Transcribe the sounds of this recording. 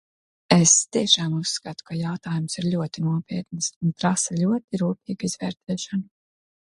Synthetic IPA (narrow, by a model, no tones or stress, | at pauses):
est̪iɛʃaːmusːkat̪u̥kajawt̪aːjumsiɾʎʲuɔt̪inuɔpʲiɛt̪nisunt̪ɾasalʲuɔt̪iɾuːpʲiːɡizvɛːɾt̪ʰɛːʃan